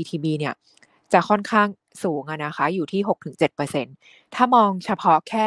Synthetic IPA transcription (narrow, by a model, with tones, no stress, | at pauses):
iː˧t̪ʰiː˧biː˧ni˥˩ɐ | t͡ɕa˨˩kʰɔ˥˩nkʰaː˥˩ŋ | suː˩˦ŋʔa˧na˦˥xʰa˦˥juː˨˩t̪ʰiː˥˩ɦo˨˩k̚t̪ʰɯ˨˩˦ŋt͡ɕe˨˩t̪̚pɤː˧se˧˥n | t̪ʰaː˥˩mɔː˧ŋt͡ɕʰa˧pʰɔ˦˥kʰɛː˥˩